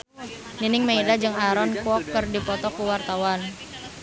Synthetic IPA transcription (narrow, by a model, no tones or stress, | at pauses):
ninɪŋmeidad͡ʒɨŋaɾɔnkwɔkːərdipɔt̪ɔkuwart̪awan